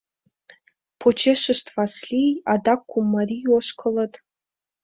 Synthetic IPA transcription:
pʰot͡ʃʰeʃəʃt̪ʰvaslʲijad̪ɑkʰʷːumːarʲijoʃkʰələt̪

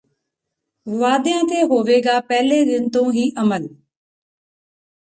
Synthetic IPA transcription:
ʋaːd̪ɪə̃t̪ʰeːɦoːʋeːɡaːpɛɦleɡɪnt̪õɦiːʔɐməl

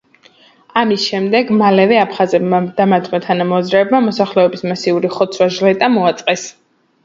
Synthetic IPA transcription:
amisʃɛmd̪ɛɡmalɛvɛapʰχazɛbmad̪̥amat̪ʰmat̪ʰanamɔazɾɛːbmamɔsaχlɛɔbismasiuɾiχɔt̪sʰwaʒlɛt̪ʼamɔat̪sʼqʼɛs

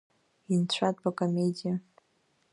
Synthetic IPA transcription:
int͡ɕʷʰatʼbakʼamedija

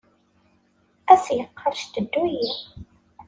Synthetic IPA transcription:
æsjəqʰːəɾˤʃt̪əd̪ːujiħ

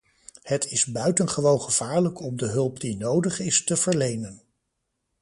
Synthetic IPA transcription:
hətʰɪzbœɥtənχəʋownχəv̥aːɹləkɔmdəɦɵlˠpdinowdəχɪstəv̥əɹlejnən

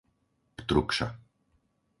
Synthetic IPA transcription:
pt̪ɾukʃa̰

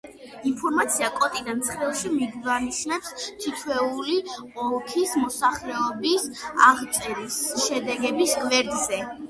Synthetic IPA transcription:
inpʰɔɾmat̪sʰiakʼɔt̪ʼid̪ant̪sʰχɾɛlˠʃimidivaniʃnɛpst̪ʰit̪ʰwɛuli | ɔkʰismɔsaχɾɛɔbisaʁt̪t͡ʃ̪ʼɛɾisʃɛd̪ɛɡɛbisɡvɛɾd̪zɛ

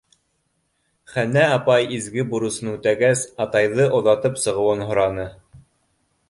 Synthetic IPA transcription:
χænæɑpɑjizɡɘbuɾŭsɤnʉt̪æɡæsɑt̪ɑjðɤʔŏðɑt̪ɤpsɤ̆ʁɤ̆wɤnɦŏɾɑnɤ

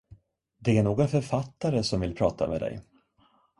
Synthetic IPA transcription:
d̪ɛæɳoːɡɔnfœɾfat̪ːaɾəsɔmvɪlpʰɾɑːt̪ʰa̰mḛːd̪ɛ̰j

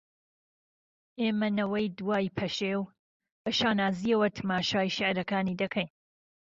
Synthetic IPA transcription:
ʔeːmɐnɐwɐjd̪waːjpʰɐʃew | bɐʃaːnaːziɐwɐt̪ʰɐmaːʃaːjʃɪʕɾɐkaːniːd̪ɐkʰɐjn

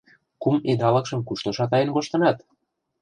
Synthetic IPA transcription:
kumed̪ɑlɤ̆kʃɤ̆mkuʃt̪ŏʃɑt̪ɑjə̆nkoʃt̪ɤ̆nɑt̪

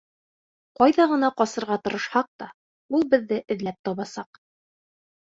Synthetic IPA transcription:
qɑjðɑʁɤ̆nɑqɒsɤ̆ɾʁɑt̪ɤ̆ɾɤ̆ʃhɑq̚t̪ɑ | ulˠbɘ̆ðːɘʔɘ̆ðlæp̚t̪ɒβɑsɑq

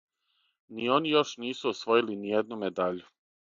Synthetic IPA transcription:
nio̞nijo̞ʃniːsuosʋo̞jilinijed̪numed̪aʎu

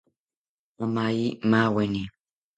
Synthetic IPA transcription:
wamajimawɛni

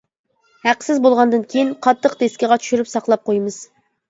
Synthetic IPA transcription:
hæqsɪzbolˠʁɑnd̪ɨnkʲʰejinqʰɑt̪ʰːəqt̪eskʲɪʁɑt͡ʃʰy̥ʃyɾypsɑqlˠɑp̚qʰojmɨz̥

